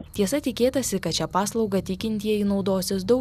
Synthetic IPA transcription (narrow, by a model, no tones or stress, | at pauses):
t̪ʲiɛsɐt̪ʲɪkʲeːt̪ɐsʲɪkɐt̪̚ʲt͡ʃʲɛpɑːslˠɒʊɡɐt̪ʲɪkʲɪnʲt̪ʲijɛiːnɒʊd̪oːsʲɪsd̪ɐʊ